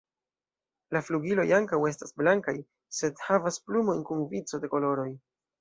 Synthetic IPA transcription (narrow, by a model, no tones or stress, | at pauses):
lafluɡilo̞jaŋkawe̞stasblaŋkaj | se̞dhavasplumo̞jnkunvit͡so̞de̞ko̞lo̞ɾo̞j